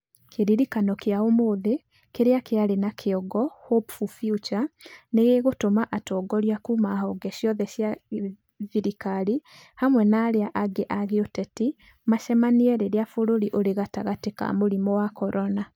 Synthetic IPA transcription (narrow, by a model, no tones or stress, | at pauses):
kʰeɾiɾikanɔkeaomoðe | keɾeakeaɾenakʰeɔɡɔhopfufjut͡ʃaneɣeɣotomaʔatɔːɡɔɾiakumahɔɡɛʃjɔðɛʃja | viɾikaɾi | hamwɛnaːɾeaʔaɡeʔaɣeotɛti | maʃɛmaniɛɾeɾeafoɾoɾiʔoɾeɣata̰ɣateka̰moɾimɔwakɔɾʔɔna